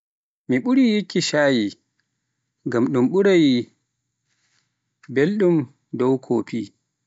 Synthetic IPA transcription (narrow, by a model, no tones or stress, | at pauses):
miɓuɾijikːiʃaːji | ŋɡamɗumɓuɾaji | belɗum | dɔwkʰoːpʰi